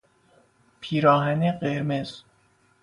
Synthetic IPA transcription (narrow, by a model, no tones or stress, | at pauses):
pʰiːɾɒːɦæneɢeɾmez̥